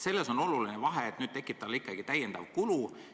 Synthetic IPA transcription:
se̞lːeso̞no̞lulinevɑɦeːt̪nyːd̪̥̚t̪e̞kːˑip̚t̪ːɑlːikːˑɑɡ̥it̪æjend̪ɑ̰vkulu

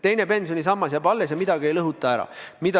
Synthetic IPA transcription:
t̪e̞jnepe̞nsjonʲis̬ɑmːɑsjɑpɑlːesjɑmid̪ɑɡ̥ie̞jlɤɦut̪ːˑɑæɾɑ̰mid̪̥ɑ

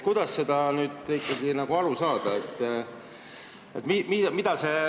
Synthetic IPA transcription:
kujd̪̥ɑsse̞d̪̥ɑnyːd̪̥ikːɑɡinɑɡ̥uɑlusɑːd̪̥ɑet̪ː | ḛt̪ːmimimid̪̥ɑse̞

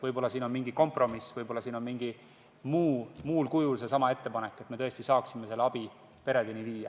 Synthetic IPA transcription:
vɤjbo̞lːɑsiːno̞nmiŋɡiko̞mpˑro̞misvɤjbo̞lːɑsiːno̞nmiŋɡi | muːmuːlkujulse̞sɑmɑe̞t̪ːe̞pɑnekːˑet̪me̞t̪ɤest̪isɑːksime̞se̞lːeɑbi | pe̞ɾe̞d̪enʲiviːjɑ

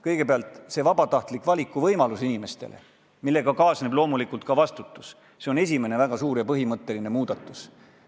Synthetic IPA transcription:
kɤjɡ̥e̞peɑlt̪ˑse̞vɑbɑt̪ɑht̪likːˑvɑlʲikːˑuvɤjmɑlusinime̞st̪ḛlḛ | milːe̞ɡɑkɑːsne̞blo̞ːmulikˑult̪̚kɑvɑst̪ut̪ːˑu̥s | se̞o̞ne̞s̬ʲime̞ne̞væɡ̥ɑsuːɾjɑpɤɦimɤt̪ːe̞line̞muːd̪̥ɑt̪ːˑu̥s

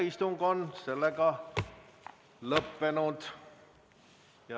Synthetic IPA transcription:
ist̪uŋɡonse̞lːeɡɑ | lɤpːe̞nud̪̥ | jɑ

